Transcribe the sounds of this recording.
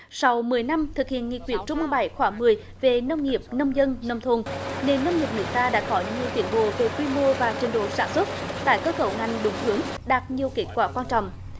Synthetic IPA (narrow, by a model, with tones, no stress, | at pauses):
sa˧wmɨ˨˩əjna˧mt̪ʰɨ˨˩k̚hḭ˧˨ənŋḭ˧˨kwi˧˩ənt͡ɕʊ˧ŋ͡mmɨ˧jɓa˧˩jxwaː˧˩ŋmɨ˨˩əj | ve˨˩nə˧wŋ͡mŋi˨˩əp̚nə˧wŋ͡mzə˧nnə˧wŋ͡mt̪ʰo˧˩nne˧nːə˧wŋ͡mŋi˨˩əp̚nɨ̰˨˧˩ət̪aː˧ɗa̰ː˧˥xɔ˨˦ɲi˨˩əwt̪i˧˩ənɓo̰˧˨ve˨˩kwi˧mo˧vaː˨˩t͡ɕï˨˩ŋ̟ɗo̰˧˨saː˧˩nswə˦˥t̚t̪a̰ː˧˨jkəː˨˦˥kə˧˩wŋa˨˩jŋ̟ɗʊ˨˦ŋ͡mt̪ɨ˨˦əŋɗaː˨˩t̚ɲi˨˩əwke˦˥t̚kwaː˧˩kwaː˧nt͡ɕɔ̰˧˨wŋ͡m